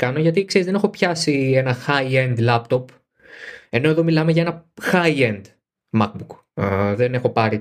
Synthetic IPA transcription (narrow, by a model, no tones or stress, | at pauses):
kɐnoʝɐt̪ikseɾizðe̞ne̞xo̞pçɐsie̞nɐxɐiend̪lɐpt̪o̞p | e̞no̞e̞ðo̞milɐmeʝɐe̞nɐxɐiend̪ | mɐk̚buk | ðene̞xo̞pɐɾi